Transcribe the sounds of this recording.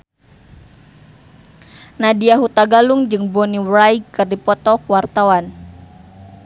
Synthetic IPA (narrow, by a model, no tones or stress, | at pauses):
nadiaɦut̪aɡaluŋd͡ʒɨŋbɔniwɾaiɡɨrdipɔt̪ɔkuwart̪awan